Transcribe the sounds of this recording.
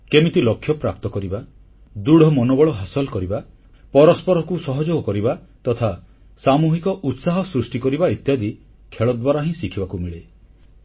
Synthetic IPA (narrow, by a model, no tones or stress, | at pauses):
kemit̪ilɔkʰːjɔpɾap̚t̪ɔkɔɾiba | d̪uɽʱɔmɔnobɔɭɔɦasɔlɔkɔɾiba | pɔɾɔspɔɾɔkusɔɦɔd͡ʒoɡɔkɔɾibat̪ɔt̪ʰa | samuɦikɔʔut̪saɦɔsɾusʈikɔɾibaet̪jad̪i | kʰeɭɔd̪baɾaɦĩsikʰibakumiɭe